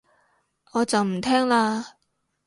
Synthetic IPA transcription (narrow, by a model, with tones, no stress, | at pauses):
ɔː˨˧t͡sɐ˨wm̩˨˩t̪ʰɛː˥ŋlaː˧